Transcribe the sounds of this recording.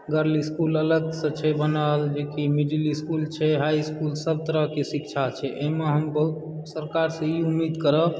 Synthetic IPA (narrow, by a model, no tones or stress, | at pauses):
ɡəɾliskulələɡsə̃t͡ʃʰɛbənəld͡ʒekimiɖiliskult͡ʃʰɛɦajskulsəb̚t̪əɾəɦkesikt͡ʃʰat͡ʃʰɛʔeɦmeɦəmbə | səɾkaɾsə̃iumːid̪kəɾə